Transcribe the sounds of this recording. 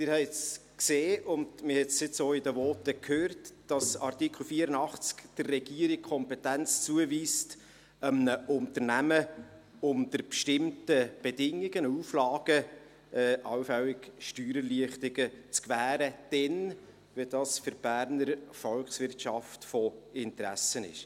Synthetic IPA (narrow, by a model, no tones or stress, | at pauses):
tɪɾhɛɪt͡skseːʔʊndmɪhɛtsɪt͡soːɪdəvɔːtəkʰhøːrtd̥ɑsɑrtikʰl̩fiəɾənɑχt͡skd̥ərːɛɡiəɾɪk̚kʰɔmpɛtænt͡st͡suəviːst | məʔʊnt̪əɾnæmə | ʊmd̥̪əɾpʃtɪmtəb̥edɪŋːɪɡ̥ənəuːflɑːɡ̥ə | ɛʔɑwfɛlɪɡ̥ʃtyːɾəliəχtɪɡ̥ət͡skvæːɾəd̥ɛn | vidɑːsfʏɾb̥æːɾnəɾfɔlkχsʋɪrtʃɑftfɔɪnt̪ɾæ̰sənɪ̰ʃ